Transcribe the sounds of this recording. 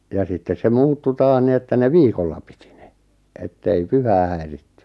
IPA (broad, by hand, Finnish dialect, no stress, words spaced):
jɑ sitːes se muːtːu tɑːh ni etːæ ne ʋiːkolːɑ pi̥ti̥ n̥e̥ etːei pyhæː hæiritːẙ